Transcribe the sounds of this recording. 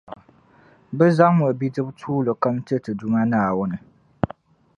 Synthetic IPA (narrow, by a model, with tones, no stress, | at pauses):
bɛ˦za˦ŋmɔ˨bi˦dɨ˦btʰuː˦lɨ˨ka˦mtɨ˦tɨ˨du˦ma˦naː˨wʊ˦nɨ˨